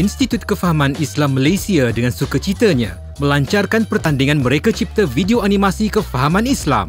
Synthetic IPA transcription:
inst̪it̪ut̪̚kəfaɦamãnislamːəlajsiadəŋãnsukət͡ʃit̪əɲã̰ | mə̃laɲt͡ʃarkanpərt̪andiŋãnmə̃ɾekat͡ʃip̚t̪əvideoanĩmãsikəfaɦamãnisla̰m

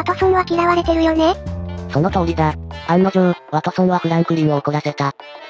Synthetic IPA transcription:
at̪osõɰβakʲiɾaβaɾe̞t̪e̞ɾɯ̟jo̞neso̞no̞t̪o̞ːɾʲid̪aãnːod͡ʑɯ̃βat̪osõnakɯ̟ɾãŋkɯ̟ɾʲimɯokonase̞t̪a

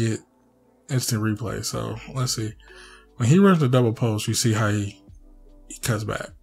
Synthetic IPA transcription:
ɪt | ɪ̃nstɨ̃ŋɹipʰl̥ḛɪso̰ʊlətsi | wə̃niɹʌ̃nðɨdʌbl̩ˠpʰoʊsjɨsiɦaʊhi | kʰʌ̃tzbæ̰k̚

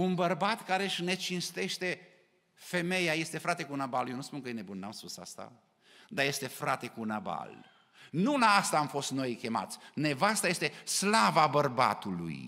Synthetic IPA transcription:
unbərbat̪kaɾeʃne̞t͡ʃinst̪e̞ʃt̪e̞ | fe̞me̞jaje̞st̪e̞fɾat̪e̞kunabaljenuspunkəjenebunːamspusa̰st̪a̰ | d̪aje̞st̪e̞fɾat̪e̞kunaba̰l | nulaast̪aːmfo̞st̪no̞jkʲe̞ma̰t̪sʲne̞vast̪ajest̪e̞slavabərba̰t̪ulṵj

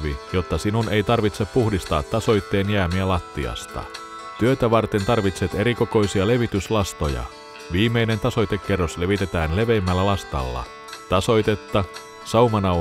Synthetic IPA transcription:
ʋijo̞t̪ːɑsinune̞jt̪ɑrʋit̪se̞pːuhdist̪ɑːt̪ːɑso̞jt̪ːe̞ːnjæːmiælɑt̪ːḭɑ̰st̪ɑ̰ | t̪yøt̪æʋɑrt̪e̞nt̪ɑrʋit̪set̪e̞ɾiko̞ko̞jsiɑle̞ʋit̪yslɑst̪o̞jɑ̰ | ʋiːmːˑe̞jne̞nt̪ɑso̞jt̪e̞kːerːo̞sle̞ʋit̪e̞t̪æːnle̞ʋe̞ːmːælːælɑst̪ɑ̰lːɑ̰ | t̪ɑso̞jt̪e̞t̪ːɑ | sɑumɑnɑ

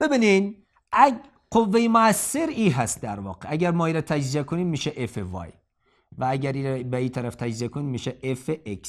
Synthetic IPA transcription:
b̥ebiːnin | æ | qovːejemoæsːeɾiːɦæst̪̚d̪æɾvɒ̰ːqeæɟæɾmɒːiːɾɒt̪ʰæd͡ʒziekʰoniːmmiːʃeʔefevɒ̰j | vææɟæɾiːɾbeiːt̪ʰæɾæft̪ʰæd͡ʒziekʰoniːmmiːʃeʔefeʔeks

